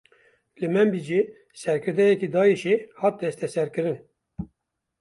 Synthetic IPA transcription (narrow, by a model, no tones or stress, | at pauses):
lɨmɛmbid͡ʒi | sɛɾkʰɨɾd̪ɛjɛkid̪ɑːiʃehɑːt̪̚d̪ɛst̪ɛsɛɾkɨɾɨn